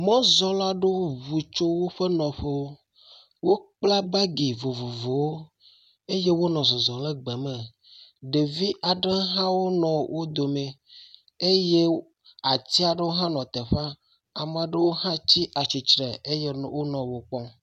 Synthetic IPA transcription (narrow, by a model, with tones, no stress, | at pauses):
mɔ̃˦zɔ˦la˦ɖe˦wo˦βu˨t͡ʃo˦wo˦ɸe˦nɔ̃˨ɸe˦wo˦ | wo˦k͡pla˦ba˦ɡi˨vo˨vo˨vo˨wo˦ | e˦je˦wo˦nɔ̃˨zɔ˨zɔ̃˨le˦ɡ͡be˨me˨ | ɖe˨vi˦ʔa˨ɖe˦ɦã˦wo˦nɔ̃˨wʔo˦d̪o˨me˨ | e˦je˦ | a˨t̪i˦a˨ɖe˦wo˦ɦã˦nɔ̃˨t̪ɛ˨ɸa˦ | a˨m˨a˨ɖe˦wo˦hã˦t͡ɕi˦ʔa˨t͡ɕi˨t͡ʃɾɛ˨e˦je˦wo˦nɔ̃˨wo˨k͡pɔ˦